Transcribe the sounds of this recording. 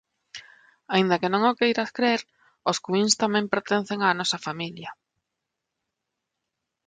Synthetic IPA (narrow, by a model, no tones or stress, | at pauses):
aĩnd̪ɐkenõŋokejɾaθkɾeɾ | oskwinst̪amɛ̃mpeɾt̪en̟θeŋaːnɔsɐfamiljɐ